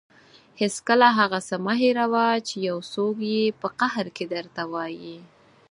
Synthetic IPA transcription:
hɪskəlaɦaɣasamaɦeɾawat͡ʃejawsokjepəqahɾked̪əɾt̪awɑji

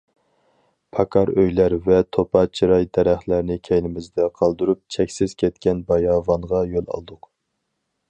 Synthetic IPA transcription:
pʰɑkʰɑɾøjlæɾvɛt̪ʰopɑt͡ʃʰiɾɑjd̪ɛɾæχlæɾnɪkʲʰɛjlɪmɪzd̪ɛqʰɑlˠd̪uɾup̚t͡ʃʰɛkʲsɪz̥kʲʰɛt̪kʲɛnbɑjɑːvɑɴʁɑjolˠɑ̰lˠd̪ʊq

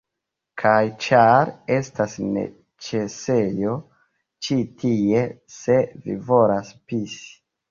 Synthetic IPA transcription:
kʰajt͡ʃaɾe̞stasne̞̰ | t͡ʃe̞se̞jo̞ | t͡ʃitʰie̞ | se̞vḭvo̞laspisi̥

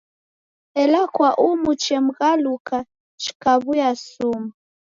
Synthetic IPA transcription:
ɛlakwaʔumut͡ʃɛm̩ɣaluka | t͡ʃi̥kaβujasuma

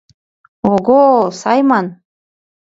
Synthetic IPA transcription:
oɡosɑjmɑn

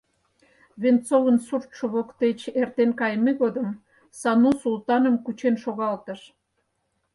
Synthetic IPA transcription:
βent͡sovənsurt̪ʃŏβokt̪et͡ɕert̪enkɑjmeɣod̪əm | sɑnusult̪ɑnəmkut͡ɕenʃoɣɑlt̪ə̆ʃ

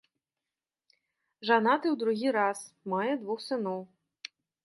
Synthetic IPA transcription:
ʒanɑt̪ɪwd̪ɾʊɦʲiɾɑsmɑjɛd̪ʋɔxsɪnɔw

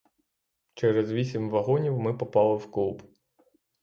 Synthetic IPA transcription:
t͡ʃɛɾɛzʋʲisʲimʋɐɦɔnʲiwmɪpɔpɑlˠɪwklˠub

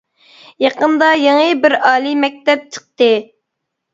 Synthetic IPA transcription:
jɑqənd̪ɑjeŋɨbɪɾɑːlˠimɛk̚ʲt̪ɛp̚t͡ʃʰə̥q̚t̪ɨ

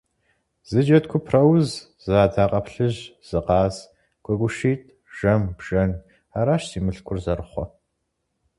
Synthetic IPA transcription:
z̥ɨd͡ʒɐtkʷʰʊpʰrɐwz | zaːdaːqʼɐpɬɨʑz̥ɨqɑːz | ɡ̥ʷʼɔɡʷʼʊʃiːtʰʼ | ʒ̥ɐmbʒ̥ɐn | aːɾaːʃsiːmɨɬkʷʰʊrzɐrɨχʷɔ

